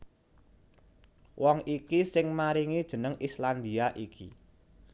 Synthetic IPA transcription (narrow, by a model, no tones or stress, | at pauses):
wʔɔŋikisɪŋmaɾiŋid̥ʒ̥ə̤nəŋʔisland̪iaʔikḭ